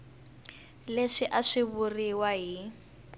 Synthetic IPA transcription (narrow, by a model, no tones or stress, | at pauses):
leʂɪʔaʂɪβʊriwaɦi